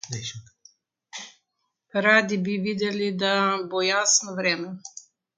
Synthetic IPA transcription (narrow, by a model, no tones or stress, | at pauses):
ɛʃ | ɾaːd̪ibiʋiːd̪ɛlid̪abojaːsnɔʋɾɛːmɛ